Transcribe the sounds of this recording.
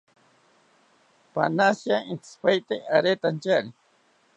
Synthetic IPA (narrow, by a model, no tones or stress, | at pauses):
pa̰nasjaint̪spajt̪eaɾet̪ant͡ʃaɾi